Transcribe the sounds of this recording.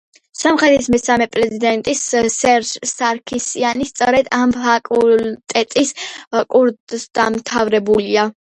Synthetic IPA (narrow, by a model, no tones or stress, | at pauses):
samχɾɛt̪ʰismɛsamɛpʼɾɛzid̪ɛnt̪ʼissɛɾd͡ʒsaɾkʰisianist̪sʼɔɾɛd̪amfʰakʼult̪ʼɛt̪ʼiskʼuɾdd̪̥amt̪ʰavɾɛbulia